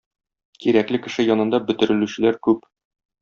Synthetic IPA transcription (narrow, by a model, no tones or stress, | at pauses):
kiɾæklɘkɘ̆ʃɘjɒnɤ̆nd̪ɑbɘ̆t̪ɘ̆ɾɘ̆lʉɕɘ̆læɾkʉp